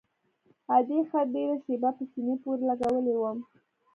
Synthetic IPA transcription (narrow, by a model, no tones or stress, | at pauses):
ad̪exad̪eɾaʃebapəsinepoɾlaɡawəlewəm